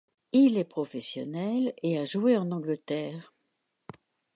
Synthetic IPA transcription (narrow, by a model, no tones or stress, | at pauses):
ilɛpχɔfɛsjɔnɛleaʒueɑ̃nɑ̃ɡlət̪ɛːʁ